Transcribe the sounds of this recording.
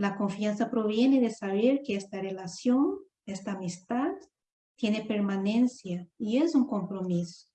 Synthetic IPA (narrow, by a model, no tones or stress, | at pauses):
lakoɱfjansapɾoβjeneðesaβeɾkeest̪arelasjõn | est̪aːmist̪at̪ | t̪jenepeɾmanẽnsjaiezuŋkõmpɾomiso̥